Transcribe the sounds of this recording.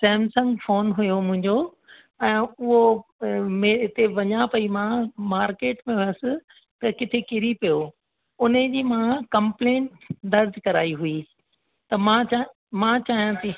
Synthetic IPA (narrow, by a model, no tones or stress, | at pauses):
sɛ̃ːmsɐ̃ŋɡfoːnɦʊjomʊ̃ɦɪ̃ɲd͡ʑo | ɛ̃ːʊɦo | meɪt̪eʋɐɲapɐimãmaːɾkeːʈmẽɦʊjəsɪ̆ | t̪ɐkɪt̪ʰekɪɾipijo | ʊned͡ʑiːmãkɐ̃mplẽːɳʈd̪ɐɾd̪ʱkɐɾa̰ːiɦui | t̪ɐmãt͡ɕa | mãt͡ɕaːɦijãt̪ʰiː